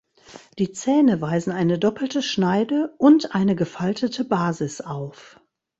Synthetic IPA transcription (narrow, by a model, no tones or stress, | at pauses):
d̥iːt͡sɛːnəvaɪzn̩aɪnədɔpl̩təʃnaɪdəʔʊntʔaɪnəɡəfaltʰətʰəbaːzɪsʔaʊf